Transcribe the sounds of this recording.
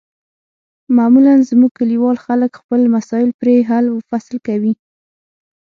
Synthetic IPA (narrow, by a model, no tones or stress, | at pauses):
mamulanzmuɡ̚kaliwɑlxaləkxpəlmasɑjɪlpɾeɦaləfaslkawi